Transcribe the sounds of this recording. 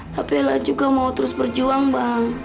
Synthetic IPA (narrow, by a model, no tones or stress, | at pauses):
t̪apilad͡ʒuɡamaut̪əɾʊsbərd͡ʒuaŋbaŋ